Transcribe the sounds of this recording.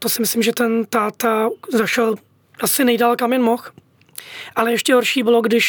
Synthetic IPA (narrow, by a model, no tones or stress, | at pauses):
t̪osɪmɪslɪmʒɛt̪ɛnt̪aːt̪azaʃɛl | ʔasɪnɛjdalkamjɛnmox | ʔalɛjɛʃcɛɦoɾʃiːbɪloɡdɪʃ